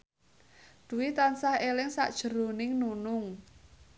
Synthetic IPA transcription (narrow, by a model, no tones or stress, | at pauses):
d̪̥ṳwit̪ansahelɪŋsa̰ʔd̥ʒ̥ə̤ɾo̤nɪŋnunʊŋ